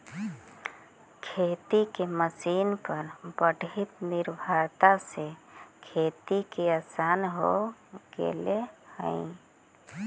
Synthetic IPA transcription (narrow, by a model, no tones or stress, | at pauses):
kʰet̪ikeməsiːnpəɾbəɖʱit̪niɾbʱaɾt̪asekʰeːt̪ikeasanɦoɡḛlehə̰̃ĩ